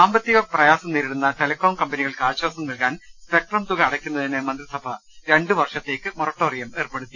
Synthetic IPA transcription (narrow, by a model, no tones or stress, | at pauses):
saːmbɐt̪ːjɐɣɐprɐjaːsɐmniːɾiɽunːɐʈe̞lɐkːo̞ːmkɐmbɐniɣɐɭkaːɕwaːsɐmnilkaːnspe̞k̚ʈrɐmt̪uɣɐːɽɐkʲːunːɐðinːemɐnd̪risɐbʱɐɾe̞ɳɖɨʋɐrʂɐt̪ːe̞ːkːɨmorɐʈːoːrijɐme̞ːrpeɽut̪ːi